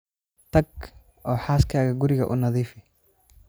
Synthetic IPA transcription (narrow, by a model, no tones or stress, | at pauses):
t̪ʰɐɡ̚ | ʔɔːħaːskʰaːɣɐɡʊɾɪɣɐ̰ʔʊ̰nɐðiːfɪ